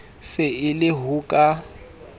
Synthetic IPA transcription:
sɪɪlɪɦuːkʼa

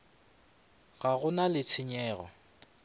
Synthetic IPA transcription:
ɣaɣʊnalɪt͡sʰɪɲɛːɣɔ̰

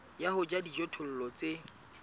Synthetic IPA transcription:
jaɦʊd͡ʒadid͡ʒɔtʰʊl̩lɔt͡sʼe

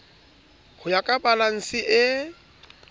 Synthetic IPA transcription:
hʰʊjakʼabalaŋ̩sɪʔɪ

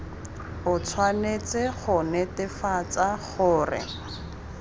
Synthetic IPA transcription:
ʊt͡sʰwanet͡sɪχʊnɛtɪfat͡saχʊːrɪ̰

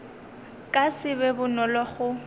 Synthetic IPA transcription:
kʼasɪbɛbʊnɔlɔχʊ

